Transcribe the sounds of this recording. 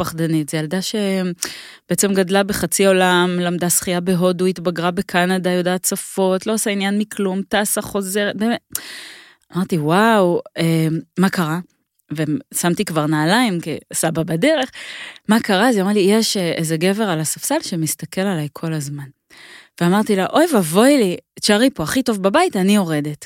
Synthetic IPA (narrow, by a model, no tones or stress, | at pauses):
paχdanitz̥ejaldaʃe̞ | b̥eet͡se̞mɡadlabe̞χat͡sio̞lamlamdasχijabeɦo̞duit̪baɡʁabe̞kʰanadajo̞daːtt͡safo̞tlo̞asainjanmikʰlumtaːsaχo̞ze̞ʁde | amaʁt̪iwawemakaʁa | vesamtikvaʁnaːlaimkḭsababade̞ʁe̞χmakaʁazeomlijeʃʔezeɡe̞ve̞ʁalasafsalʃemist̪ake̞lalajkʰo̞lazman | veamaʁt̪ilaʔo̞jvavo̞jlit͡ʃaʁipo̞aχito̞vbabaitanio̞ʁe̞de̞t